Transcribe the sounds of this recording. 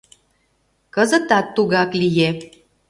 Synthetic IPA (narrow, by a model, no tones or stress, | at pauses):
kəzə̆t̪ɑt̪ːuɣɑklije